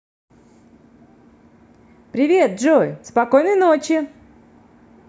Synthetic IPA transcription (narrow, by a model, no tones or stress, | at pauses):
pɾʲɪvʲe̞t̪̚ʐojspɐko̞jnəɨjnot͡ɕɪ